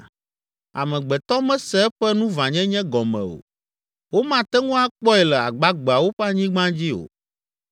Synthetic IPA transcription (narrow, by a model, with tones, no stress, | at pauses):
a̰˨mɛ̃˨ɡ͡bɛ˨t̪ɔ˦mɛ̃˦sɛ˦ɛ˦ɸɛ˦nũ˦vã˨ɲɛ̃˦ɲɛ̃˦ɡɔ˨mɛ̰̃˨o̰˨ | wo˦mã˦t̪ɛ˦ŋũ˦a˦k͡pɔ˦ɛ˨lɛ˨a̰˨ɡ͡ba˦ɡ͡be˨a˨wo˦ɸɛ˦a˦ɲĩ˦ɡ͡bã˦d͡ʑi˦o̰˨